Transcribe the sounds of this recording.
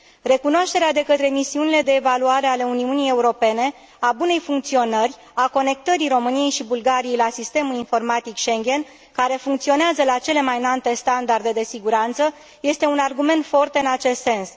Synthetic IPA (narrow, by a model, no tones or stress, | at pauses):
re̞kunoaʃt̪e̞ɾead̪e̞kət̪ɾe̞misiunile̞d̪e̞ːvaluaɾe̞ale̞uniunije̞uɾo̞pe̞ne̞ | abune̞jfuŋkt̪sio̞nərʲ | ako̞ne̞k̚t̪əɾiɾo̞mɨnije̞jʃibulɡaɾije̞jlasist̪e̞mulinfo̞rmat̪ikʃe̞ŋɡʲe̞n | kaɾe̞fuŋkt̪sio̞neazəlat͡ʃe̞le̞majnant̪e̞st̪and̪ard̪e̞d̪e̞siɡuɾant̪sə | je̞st̪e̞unarɡume̞nt̪fo̞rt̪ɨnat͡ʃe̞st̪se̞ns